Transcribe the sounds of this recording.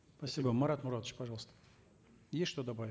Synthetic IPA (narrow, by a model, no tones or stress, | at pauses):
spɐsʲibəmɐɾat̪mʊɾat̪t͡ɕpɐʐɑlˠst̪ə̥ | jesʲʂt̪od̪ɐbavʲɪ